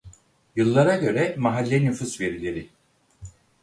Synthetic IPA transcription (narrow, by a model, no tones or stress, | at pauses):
jɯlˠːaɾaɟø̞ɾɛmaɦalʲːɛnyfusve̞ɾilʲe̞ɾɪ